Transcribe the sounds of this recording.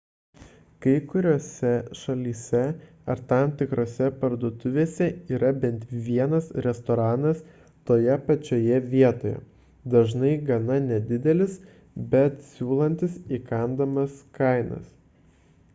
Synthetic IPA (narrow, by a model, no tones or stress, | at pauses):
kɐɪkʊɾʲoːsʲɛʃɐlʲiːsʲɛ | ɐɾt̪ɐˑmt̪ʲɪkɾoːsʲɛpɐɾd̪oːt̪ʊʋʲeːsʲɛiːɾɐbʲɛnt̪ʋʲiɛnɐsɾʲɛst̪ɔɾɑːnɐs | t̪oːjɛpɐt͡ʃʲoːjɛʋʲiɛt̪oːjɛ̰ | d̪ɐʒnɐɪɡɐnɐnʲɛd̪ʲɪd̪ʲɛlʲɪs | bʲɛt̪sʲuːlˠɐnʲt̪ʲɪsikɐnd̪ɐmɐskɐˑɪnɐ̰s